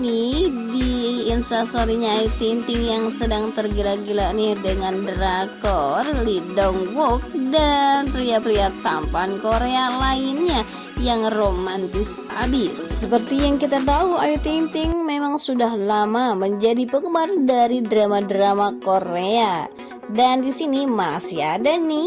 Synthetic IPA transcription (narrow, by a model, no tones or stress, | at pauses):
nɪdiːnsasoɾiɲaːjut̪int̪ɪŋjaŋsədaŋt̪ərɡilaɡilanɪhdəŋandɾak̚t̪ɔrlidɔŋwɔk̚danpɾiapɾiat̪ampankoɾealainɲa | jaŋromant̪ɪs | abɪsːəpərt̪ijaŋkit̪at̪̬auajut̪int̪ɪŋmemaŋsudahlamaməɲd͡ʒadipəkəmardaɾidɾamadɾamakoɾea | dandisinimasiadanɪ